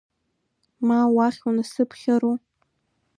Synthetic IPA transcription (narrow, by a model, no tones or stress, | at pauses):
mawaχʲunasɨpʰχʲaɾu